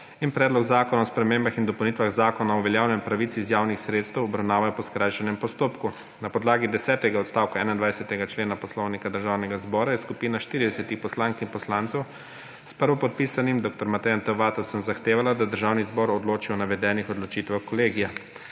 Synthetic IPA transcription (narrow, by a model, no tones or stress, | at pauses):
inpɾɛːd̪lɔɡzaːkɔnaɔspɾɛmeːmbaxind̪ɔpɛwnit̪ʋaɣzaːkɔnaɔʋɛljaːwnɛmpɾaʋit̪sizjaːwnixsɾeːt̪st̪ɛwɔbɾawnaːʋajɔpɔskɾajʃɛnɛmpɔst̪oːpku | napɔd̪laːɡid̪ɛsɛːt̪ɛɡaɔt̪st̪aːwkaɛːnajind̪ʋajsɛt̪ɛɡat͡ʃleːnapɔslɔwnikad̪əɾʒaːwnɛɡazbɔːɾajɛskupiːnaʃt̪iːɾid̪ɛsɛt̪ixpɔslaːŋkinpɔslaːnt̪sɛw | spəɾʋɔpɔt̪̚pisanimd̪oːk̚t̪ɔɾmat̪ɛjant̪ɛʋaːt̪ɔwt̪sɛmzaxt̪eːʋalad̪ad̪əɾʒaːwnizbɔɾɔd̪loːt͡ʃiɔnaʋɛd̪ɛːnixɔd̪lɔt͡ʃiːt̪ʋaxkɔleːɡija